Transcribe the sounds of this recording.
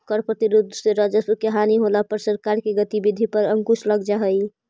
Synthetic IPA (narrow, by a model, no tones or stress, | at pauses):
kəɾpɾət̪iɾud̪ʱseɾad͡ʒəsukeɦaniɦolapəɾsəɾkaɾkeɡət̪ibid̪ʱipəɾəŋkusləɡd͡ʒaɦəj